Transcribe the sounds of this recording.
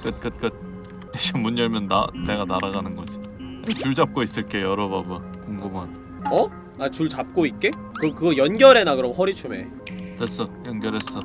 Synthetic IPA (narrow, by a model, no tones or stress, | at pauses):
k͈ɯt̚k͈ɯt̚k͈ɯt̚ | eɕʰimuɲd͡ʑʌɭmjʌnːa̰ne̞ɡanaɾaɣanɯnɡʌd͡ʑi | at͡ɕuɭd͡ʑap̚k͈ois͈ɯɭk͈e̞jʌɾʌbabɯ | koŋɡɯmɦada | ʌ | at͡ɕuɭt͡ɕap̚k͈oit̚k͈e̞ | kɯkɯɡʌjʌnɡʲjʌɾe̞nakɯɾʌmɸʌɾit͡ɕʰume̞̰ | tes͈ʌjʌnɡjʌɾɦe̞s͈ʌ